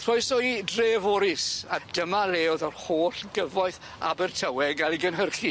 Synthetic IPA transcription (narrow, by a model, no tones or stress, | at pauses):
θʰrɔjsɔidreːvɔɾɪsad̥əmaleːɔðɔrhoːɬɡəvɔɨθ | a̰bɛrtʰəwɛɡalˠiɡənɦərχi